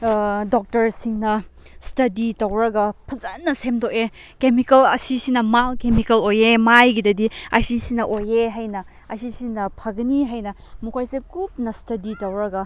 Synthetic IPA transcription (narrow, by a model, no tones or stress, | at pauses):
dok̚tɐɾsiŋnɐ | stɐditɐwɾɐɡɐpʰɐzɐnːɐsemdoʔe | kemikɐlɐ̰sisinɐmalkemikɐlojemajɡidɐdiɐsisinɐʔojeɦajnɐ | ɐsisinɐpʰɐɡɐniɦajnɐ | mukʰojsekup̚nɐstɐditɐwɾɐɡɐ